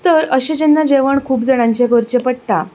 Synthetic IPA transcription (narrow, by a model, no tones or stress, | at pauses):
t̪əɾəɕed͡ʑenːad͡ʑeʋəɳkʰuːp̚d͡zəɽ̃aɲt͡ɕeɡoɾt͡ɕepəɽt̪a